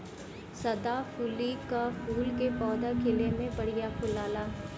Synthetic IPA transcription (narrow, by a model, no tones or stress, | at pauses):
sɐd̪afuːlikafʰuːlkepɔːd̪akʰɪlemẽpɐɽ̤ijapʰʊlaːlaː